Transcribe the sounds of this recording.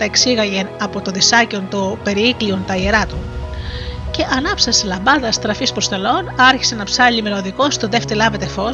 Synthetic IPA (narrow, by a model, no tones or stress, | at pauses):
t̪ɐeksiɣɐʝe̞nɐpo̞t̪oðisɐceont̪ope̞ɾiikliont̪ɐieɾɐt̪on | ce̞ʔɐnɐpsɐselɐmbɐnðɐst̪ɾɐfispɾost̪e̞lo̞nɐɾçi̥senɐpsɐʎimenoðiko̞st̪oðe̞ft̪elɐve̞t̪e̞fo̞